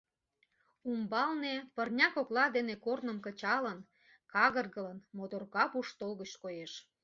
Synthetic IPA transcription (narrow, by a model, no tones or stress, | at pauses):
umbɑlnepərnʲɑkoklɑd̪enekornə̆mkə̆t͡ɕɑlən | kɑɣərɣələnmod̪orkɑpuʃt̪olɣət͡ɕkojeʃ